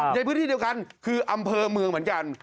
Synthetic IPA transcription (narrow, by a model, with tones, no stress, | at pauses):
a˧pʰːnt̪ʰiː˥˩i˧ə˧wka˧nkʰɯː˧ʔa˧mpʰɤː˧mɯ˧ŋm˩˦ənŋka˧n